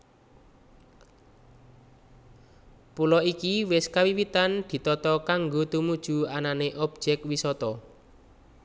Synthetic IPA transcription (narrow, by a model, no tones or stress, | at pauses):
pulɔikiwɪskawiwit̪and̪̥i̤t̪ɔt̪ɔkaŋɡot̪umud̥ʒ̥ṳananeʔɔb̥̚d͡ʒ̥ɛk̚wisɔt̪ɔ